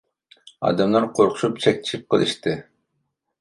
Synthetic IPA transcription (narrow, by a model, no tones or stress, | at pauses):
ɑ̰d̪ɑmlˠɑɾqʰoɾqʰʊ̥ʃupt͡ʃʰɛk̚ʲt̪ʰi̥ʃip̚qʰəlˠɨ̰ʃt̪ɨ